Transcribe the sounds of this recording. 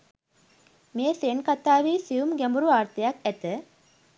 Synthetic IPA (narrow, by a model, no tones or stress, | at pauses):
meəseːnkat̪aːʋiːsiʋumɡæmbuɾuʋaːɾt̪əjakæt̪ə